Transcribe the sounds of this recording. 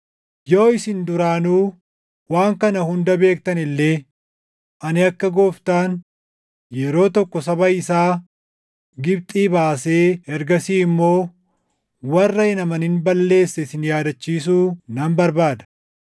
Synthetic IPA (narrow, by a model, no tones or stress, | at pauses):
jo̞ːɪsɪnd̪ʊɾaːnuː | waːŋkɐnɐhʊnd̪ɐbe̞ːk̚t̪ɐnɪlːe̞ː | ʔɐnɪɐkːɐɡoːft̪aːn | jɛɾo̞ːt̪ɔkːɔsɐbɐɪsaː | ɡɪbt̪ʼiːbaːse̞ːɛɾɡɐsiːɪmːo̞ː | wɐrːɐɪnɐmɐnɪnbɐlːe̞ːsːɛɪsɪnjaːd̪ɐt͡ʃːiːs̬uːnɐmbɐɾbaːd̪ɐ̥